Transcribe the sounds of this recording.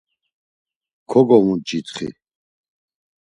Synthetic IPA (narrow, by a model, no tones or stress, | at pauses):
kʰɔɡɔmud͡ʒit̪χḭ